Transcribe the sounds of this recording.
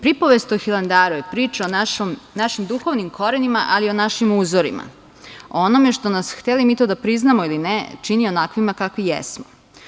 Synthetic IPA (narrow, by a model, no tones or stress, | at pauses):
pɾipoʋest̪oxiland̪aːɾujepɾiːt͡ʃaomnaʃimd̪uxo̞ʋnimkʰo̞ɾenimaʔalio̞naʃimuːzoɾḭma̰ | oonome̞ʃt̪o̞nasxt̪elimit̪o̞d̪apɾiznamoilinḛt͡ʃinio̞nakʋimakakʋijḛsmo